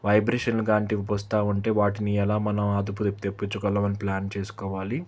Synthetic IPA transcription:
ʋɐjbɾeːʂɐnluɡaːɳʈibɔst̪aːuɳʈe̞ːʋaːʈiniɛlaːmɐnɐmaːd̪up̬ut̪t̪epːit͡ʃːukɔlːɐmɐniplaːnt͡ʃeːsu̥kɔːʋaːli

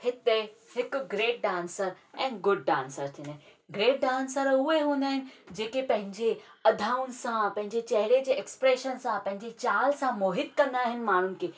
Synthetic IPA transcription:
hɪt̪ehɪkɡɾeːʈ̚ɖãːnsəɾ | ɛ̃ːɡʊɖ̚ɖãːnsəɾt̪ʰĩnaɦ | ɡɾeːʈ̚ɖaːnsəɾʊɦeɦũːnd̪aːɦɪnɪ̆d͡ʑeːkepɐ̃ɦɪ̃ɲd͡ʑe | ɐd̪ʱaːʊnɪ̆sãpɐ̃ɦɪ̃ɲd͡ʑet͡ɕɐɦɪɽed͡ʑeːekspɾeːʃənsãpɐ̃ɦɪ̃ɲd͡ʑet͡ɕaːlsãmoːɦɪt̪̚kɐ̃nd̪aːɦɪnɪ̆maːɳ̤ʊnɪ̆kʰeː

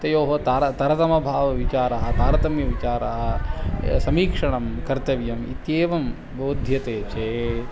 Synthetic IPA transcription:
t̪ɐjoːɦɐt̪aːɾɐt̪ɐɾɐt̪ɐmɐbʱaːʋɐʋit͡ʃaːɾɐɦɐt̪aːɾɐt̪ɐmjɐʋit͡ʃaːɾɐɦɐ̆ | sɐmiːkʂɐɳɐmkɐɾt̪ɐʋjɐmḭt̪jeːʋɐm | boːd̪ʱjɐt̪eːt͡ʃeː

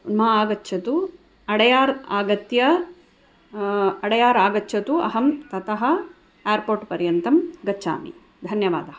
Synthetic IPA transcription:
mɐaːɡɐtːʃʰɐt̪u | ɐɽɐjaːɾaːɡɐt̪jɐ | ɐɽɐjaːɾaːɡɐtːt͡ʃʰɐt̪uɐ̰ɦɐmt̪ɐt̪ɐɦɐ̆ | eːɾpoːɾʈpɐɾjɐnt̪ɐmɡɐt͡ʃʰːa̰ːmḭ | d̪ʱɐnjɐʋa̰ːd̪ɐɦɐ

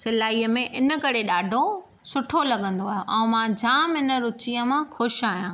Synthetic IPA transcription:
sɪlaːiːəmẽʔɪnə̆kɐɾeɗaːɖʱo | sʊʈʰolɐɠə̃nd̪oaːɦjoʔɛ̃mãd͡ʑaːmɪnəɾʊt͡ɕiə̃mãxʊʃaːɦjãː

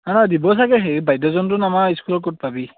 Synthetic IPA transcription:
anadibɔsakɛɦebajdɔzɔntʊnamaiskulɔkɔt̚pabi

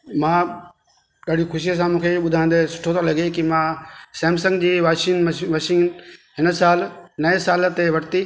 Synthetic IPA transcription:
mãː | ɗaːɽixʰʊʃijəs̬ãmũːkʰeɓʊd̪ʱãːnd̪esʊ̥ʈʰot̪ʰolɐɡekimãːsɛ̃ːms̬ə̃ŋɡd͡ʑiːʋaːʃiːnʋaːʃiːnɦɪnəsaːlnɐesaːlt̪eʋɐʈʰt̪iː

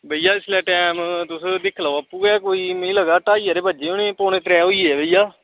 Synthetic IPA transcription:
bəijaːɪslɛːʈɛːmt̪ʊsd̪ɪkʰlaoapːuːɛːkoːiːmĩːləɡaːʈaːiːɛːɾeːbəd͡ʒeːʊnẽːpoːnẽːt̪ɾɛːɦoːiːɛːbeijaː

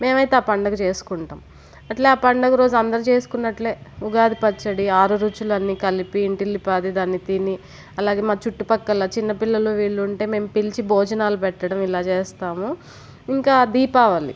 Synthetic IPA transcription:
me̞ːmɐjt̪eaːpɐɳɖɐkut͡ʃe̞ːsu̥kuɳʈaːm | ɐʈleːaːpɐɳɖɐkuɾo̞ːd͡ʒuɐnd̪ɐɾit͡ʃe̞ːsu̥kunːɐʈle̞ːuɡaːd̪ipɐt͡ʃːɐɽiaːɾuɾuːt͡ʃulɐnːiːkɐlipiːɳʈilːipaːd̪id̪aːnːit̪ini | ɐlaːɡe̞ːmaːt͡ʃuʈːupɐkːɐlɐt͡ʃinːɐpilːɐloːʋiːɭːuːɳʈe̞ːme̞ːmpilit͡ʃibʱɔːd͡ʒɐnaːlupɛʈːɐɽɐmilaːt͡ʃeːst̪aːmu | iŋkaːd̪iːpaːʋaːlḭ

